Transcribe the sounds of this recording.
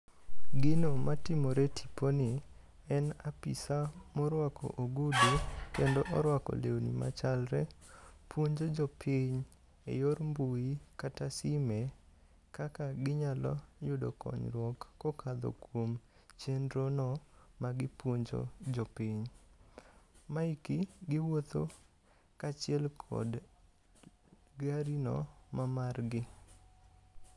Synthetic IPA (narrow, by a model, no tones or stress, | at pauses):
ɡɪnɔmatɪmɔɾetʰi̥ponɪ | ɛnapisamɔɾwakɔ̰ʔoɡudekendoʔɔɾwakɔ̰leonḭma̰t͡ʃalɾɛpʰwoɲd͡ʒod͡ʒɔpʰɪɲ | ḛjoɾmbuikatasime | kakaɡɪɲalɔ̰jʊdo̰kɔ̰ɲɾwɔkːokʰad̪ɔ̰kwom | t͡ʃendɾonɔmaɡɪpwoɲd͡ʒo̰d͡ʒɔpɪɲ | maikiɡɪwot̪o̰ | kat͡ʃɪɛlkʰɔ̰d | ɡaɾinɔ̰mamarɡɪ